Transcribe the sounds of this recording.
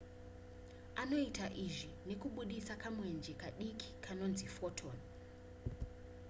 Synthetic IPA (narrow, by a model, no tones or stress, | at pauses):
ano̞itaʔiʐine̞kuɓuɗisakamwe̞nd͡ʒekaɗikʰi̥kʰano̞nzifotʰon